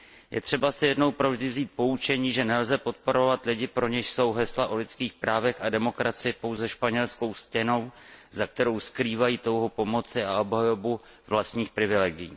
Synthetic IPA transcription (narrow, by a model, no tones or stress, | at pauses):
jʔɛ̰t̪r̝̥ɛbasɪjɛdno̞wpɾo̞vʒdɪvziːt̪̚po̞ut͡ʃɛɲiːʒɛnɛlzɛpo̞t̪̚po̞ɾo̞vat̪lɪɟɪpɾo̞ɲɛʃso̞wɦɛslaʔo̞lɪt͡skiːxpɾaːvɛxadɛmo̞kɾat͡sɪjɪpo̞wzɛʃpaɲɛlsko̞wscɛno̞wzak̚t̪ɛɾo̞wskɾiːvajiːt̪o̞wɦopo̞mo̞t͡sɪao̞bɦajo̞bu | vlast̪ɲiːxpɾɪvɪlɛɡɪjḭː